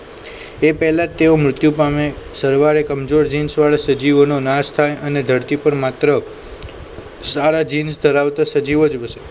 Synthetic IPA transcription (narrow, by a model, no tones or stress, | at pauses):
epɛɦlat̪ːeomɾʊt̪jupamesəɾʋaɾekəmd͡ʒoɾd͡ʒinsʋaɭasəd͡ʒiʋnonast̪ʰajʔəned̪ʱəɾt̪ipəɳmat̪ɾə | saɾad͡ʒinsd̪ʱəɾaʋt̪asəd͡ʒiʋod͡ʒbəʃe